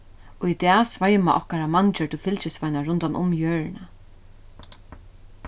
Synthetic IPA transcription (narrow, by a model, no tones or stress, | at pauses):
ɔit̪ɛːsvajmaʔɔ̰hkaɾamant͡ʃət̪ʰɪlfɪlt͡ʃɪsvajnaɹʊnt̪anʔʊ̰mjøːɹɪna